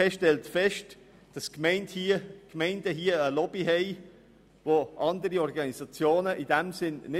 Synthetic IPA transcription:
ɛʃtɛltfɛʃt | d̥ɑskmɛɪnthkmɛɪndəɦiːəəlɔbiɦɛɪ | voʔɑndəɾiɔɾɡɑnisɑt͡sjoːnəʔid̥ɛmsɪnnɪ

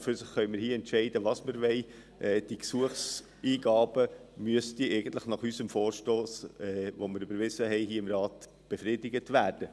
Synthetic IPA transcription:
fʏɾsɪχːœʏməɾhiːɛntʃɛɪdəʋɑsməɾʋɛɪ | ʔɛːd̥iksuəχs | iːɡɑːb̥əmyəstiʔɛɪɡənt̪ləχnɑχysəmfoːɾʃtoːsːʋoməɾʏbəɾʋɪzəɦɛɪɦiːəɪmɾɑːt | b̥efɾɪdɪɡətʋæːrd̥ə

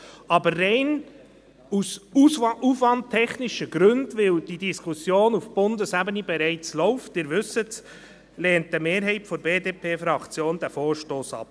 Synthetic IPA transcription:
ɑbəːɛɪn | us | ufvɑnttʰːɛχnɪʃəɡ̥ɾʏndʋɪld̥idiskʰusjoːnufb̥ʊndəsæbənibɛɾɛɪt͡slɔʊftɪːɾvʏsət | lɛːnt̚əmeːɾɦɛɪtfɔɾbeːdeːpʰeːfɾɑkt͡sjoːnd̥æfoːɾʃtoːsɑ̰p̚

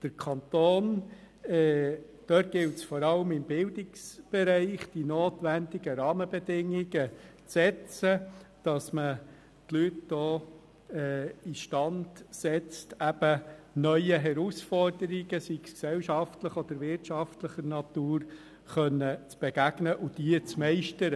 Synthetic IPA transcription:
d̥əɾkʰɑnt̪oːn | ɛː | d̥œːt̚ɡ̥ɪltsfɔɾɑləmɪmbɪldɪksb̥ɛɾɛɪχd̥inoːtʋændɪɡəɾɑːməbɛdɪŋiɡət͡sɛt͡səd̥ɑsmə | tlytd̥ɔː | ɛiʃtɑndsɛt͡stæb̥ənœʏəɦɛɾusfɔrdəɾɪɡəsiksksɛlʃɑftləχɔd̥̪əɾvɪɾtʃɑftləχənɑtuːɾ | χœnːət͡sb̥ɛɡ̥æɡ̥nəʔʊd̥iət͡smɛɪʃtəɾə

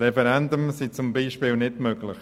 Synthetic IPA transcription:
ɛfɛɾɛndumsit͡sʊmbiːʃpiːlnɪdmøɡlɪx

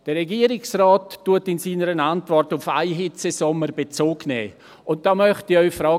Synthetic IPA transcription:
d̥ərʁɛɡiːəɾɪksrɔːtːuətɪnsiːnəɾənantvɔrtʊfa̰ɪɦɪt͡sesɔməɾbet͡soːɡnɛ̰ː | ʊnt̚d̥aːmœχtiœʏfɾɔː

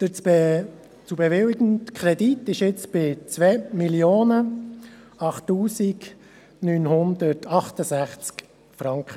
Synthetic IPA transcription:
d̥ət͡s | t͡subɛʋɪlɪɡəntkʰχɾɛditɪʃɪt͡sb̥ɪt͡sʋɛmiljoːnə | ɑχtːuːsik | nyːnɦʊndətʰɑχtəsæχt͡sk | fɾɑŋkχə

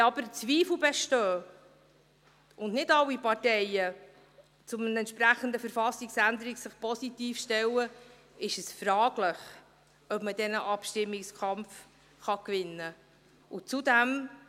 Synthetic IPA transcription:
ɑb̥əɾt͡sʋiːfl̩bɛʃtøː | ʊndnɪdɑwːipɑɾtɛjə | t͡sʊmənəɛnt̪t͡ʃʃpɾæχənd̪əfəɾfɑsːiksænd̪əɾiksɪχpʰɔsit̪iːfʃtɛwə | ɪʃəsfɾɑːɡ̥ləχ | œpmədɛnəʔɑpʃtɪmːɪkskʰɑmf | χɑkvɪnːə | ʊt͡sud̪æm

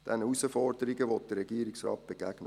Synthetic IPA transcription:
d̥ɛnəusəfɔrd̥əɾɪɡəʋɔt̚d̥ərːɛɡiːəɾiksrɑ̰ːt̚b̥eɡ̥æɡ̥nə

